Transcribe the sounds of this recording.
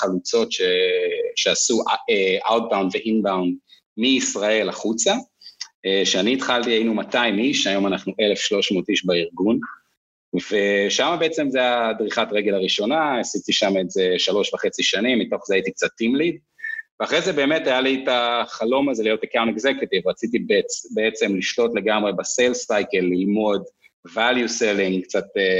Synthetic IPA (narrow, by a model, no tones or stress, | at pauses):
χalut͡so̞tʃeʃeasuʔeʔawt̚bawnveʔinbawn | miːsʁae̞laχut͡sa | eʃeaniːtχaltiajinumataimiʃajo̞manaχnuʔe̞le̞fʃlo̞ʃmo̞ːtiʃbaiʁɡun | ve̞ʃamabeet͡se̞mzeadʁiχatʁeɡe̞laʁiʃo̞naasit̪iʃamezeʃalo̞ʃvaχe̞t͡siʃanimːito̞χzeait̪ik̚t͡sat̪ːimlid | veaχʁejzebe̞ːme̞tajalitaχalo̞mazelijotekawnteɡzeket̪ivʁat͡sit̪ibt͡sbeet͡se̞mliʃlo̞tle̞ɡamʁe̞baselstajkelːilmo̞d | valjuseliŋkt͡sat̪e